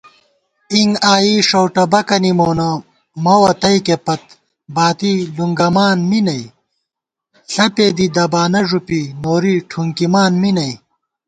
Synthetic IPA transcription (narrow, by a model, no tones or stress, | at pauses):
iŋɡaːjiʂɐwʈɐbɐkɐnimoːnɐ | mɐwɐt̪ɐjkepɐt̪̚ | baːt̪iluŋɡɐmaːnminɐj | ɬɐpeːd̪id̪ɐbaːnɐʐupinoːɾiʈʰuŋkimaːnminɐj